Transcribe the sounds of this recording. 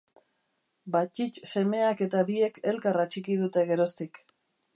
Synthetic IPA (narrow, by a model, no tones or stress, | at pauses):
bat͡ʃit͡ʃse̞me̞ake̞t̪aβie̞ke̞lkarat͡ʃikiðut̪e̞ɣe̞ɾo̞st̪ik